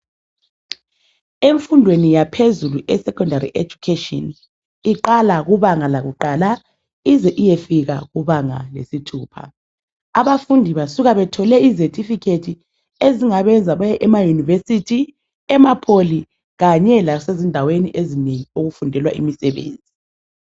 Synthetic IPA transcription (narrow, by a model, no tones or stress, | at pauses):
eɱfundʱwenijapʰezuluʔɛsɛkʼɔndarḭʔed͡ʒukʰetʼɔ̰n | iǃalaɣuβaŋalaɣuǃaːla | izɛʔijefiɣa̰ɣuβaŋa̰lḛsitʰuːpʰa̰ | aβafundʱiβasuɣaβɛtʰɔlɛizetʰʼifikʰetʰi | eziŋaβɛnd͡zʱaβajɛʔɛmajunivesitʰi | ɛmapʰoli | ɣaɲɛlasezindʱaweniʔezineŋioɣufundʱɛlwa̰ʔḭmisɛβḛːnd͡zʱi